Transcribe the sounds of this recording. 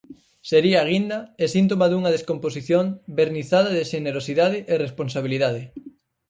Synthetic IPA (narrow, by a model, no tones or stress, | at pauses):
seɾiaːɣind̪ɐesint̪̬omaðuŋɐðeskompos̬iθjombeɾniθaðɐðeʃeneɾosiðað̞eʔeresponsaβiliðað̞e